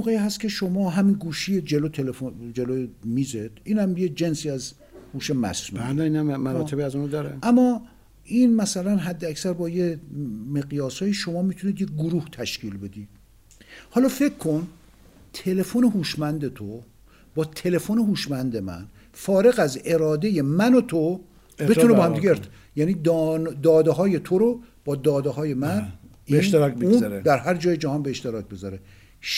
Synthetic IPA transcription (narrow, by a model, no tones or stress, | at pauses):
oɣeiːɦæst̪cʰʲe̞ʃomɒːɦæminɡuːʃied͡ʒelot̪ʰelefod͡ʒelomiːzed̪̥ʔiːnæmjed͡ʒe̞nsiːæz | huːʃemæ̰sɾudæiːnæmːæɾɒːt̪ebiæzunod̪ɒːɾḛæmːɒː | ʔiːnmæsælænɦæd̪ːeæcsæɾbɒːjeme̞ɣjɒːsɒːjiʃo̞mɒːmit̪ʰuniːd̪jeɡoɾuːht̪ʰæʃcʰiːlbe̞d̪i | hɒːlɒːfekʰːo̞n | t̪ʰe̞le̞foneɦuːʃmænd̪et̪ʰo | bɒːt̪ʰe̞le̞fone̞ɦuːʃmænd̪emæ̰n | fɒːɾe̞ɣæze̞ɾɒːd̪e̞je̞mænot̪ʰo | et̪ʰunebɒːhæmd̪iɟe | jæːniːd̪nd̪ɒːd̪eɦɒːje̞t̪ʰoɾo | b̥ɒːd̪ɒːd̪eɦɒːjemæn | inʃt̪eɾɒkbeunzɾed̪æɾɦæɾd͡ʒɒːjed͡ʒæhɒːnbeːʃt̪e̞ɾɒːc̚ʰbezɒɾe | ʃ